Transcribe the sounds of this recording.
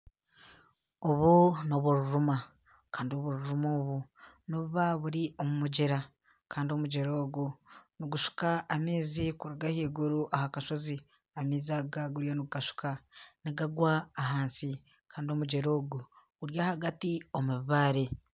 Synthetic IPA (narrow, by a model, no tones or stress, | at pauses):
oβuno̞βuɾuɾuma | kaːndio̞βuɾuɾumoːβunoβuβaβuɾiʔomumuɟeɾa | kaːndio̞muɟeɾo̞ːɡuniɡuʃu̥kaʔːmeːzikuɾuɡahiːɡuɾuʔahakaʃo̞zi | amiːzaɡaɡuɾjoniɡuɡaʃu̥kaniɡaɡwaːɦaːnsi | kaːndio̞muɟeɾo̞ːɡu | uɾjahaɡatiomuβiβaːɾe